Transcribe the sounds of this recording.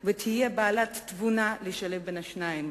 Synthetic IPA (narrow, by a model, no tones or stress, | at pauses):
vet̪ʰijebaːlat̪ːvunaleʃalefbenaʃnaim